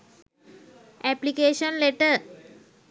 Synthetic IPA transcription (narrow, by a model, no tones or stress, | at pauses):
ɛplikeːʃə̃nleʈə